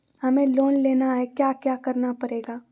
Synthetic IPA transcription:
hɐmẽloːnleːnaɦɛkjaːkjaːkɐɾnapɐɾeːɡaː

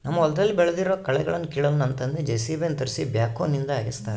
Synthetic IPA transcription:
nɐmːɐɔld̪ɐlːibɛɭed̪iɾoːkɐɭɛɡɐɭɐnːukiːɭɐlnɐnt̪ɐnd̪ed͡ʒeːsiːbent̪ɐɾsibjaːkːoːnːind̪ɐaːɡist̪aːɾ

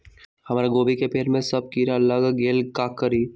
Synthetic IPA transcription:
hɐmaːɾeɡoːbikepeːɾmẽsɐb̚kiːɾaləɡɡeːlkaːkːəɾiː

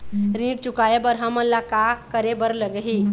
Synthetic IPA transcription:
ɾĩːɽ̚t͡ʃukajebəɾɦãməlːakakəɾebəɾləɡəɦi

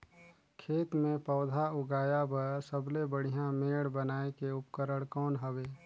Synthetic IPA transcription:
kʰeːt̪mẽpɔːd̪ʱaʊɡaːjabəɾsəblebəɽ̤ijãmeːɽbənaːekeʊpkəɾəɽkɔːnɦəbeː

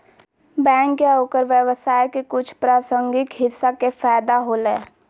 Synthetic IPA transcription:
bɛ̃ːŋkjaɦoːkəɾʋjəwəsaːjkekʊt͡ʃʰpɾaːsə̃ŋɡɪkɦɪsːakefɛːd̪aɦoːlḛː

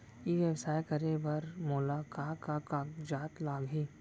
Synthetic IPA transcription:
iʋeʋsaːekɐɾebɐɾmʊlaːkaːkakaːkd͡ʒaːt̪laːɡɦiː

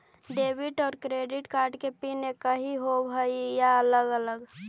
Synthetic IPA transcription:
ɖebiʈɔːɾkɾeːɖɪʈkaːɾɖkepinekəɦiɦobʱəijaələɡələɡ

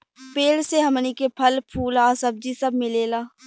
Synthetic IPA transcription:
peːlseɦɐmnikepʰɐlpʰuːlaːsɐb̚d͡ʒisɐb̚mɪleːlaː

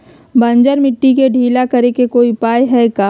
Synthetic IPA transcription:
bɐ̃nd͡ʒəɾmɪʈːikeɖʱiːlakɐɾekekoːipaːjɦɛkaː

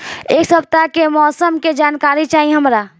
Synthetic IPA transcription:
eːksəb̚t̪akemɔːsəmked͡ʒaːnkaːɾit͡ʃaːɦiɦəmɾa

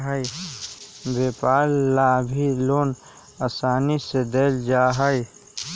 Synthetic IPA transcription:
ɦəj | beːpaːɾːabʱiloːn | asaːnised̪eːld͡ʒaːɦəj

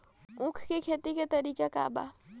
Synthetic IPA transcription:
ʊ̃kʰkekʰeːt̪iket̪ɐɾiːkeka̰ːba̰ː

